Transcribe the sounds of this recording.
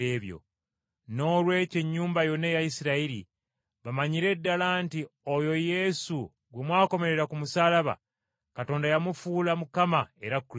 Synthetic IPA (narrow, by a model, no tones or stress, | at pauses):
eːβjo̞̰ | no̞ːlwe̞ːce̞ɲːuːmbajo̞nːejajisiɾaiɾḭ | βamaɲiɾe̞dːalaːntiojo̞je̞su | ɡwemwaːko̞me̞ɾe̞ɾakumusaːlaβa̰ | kato̞ːndajamufuːlamukamae̞ɾakː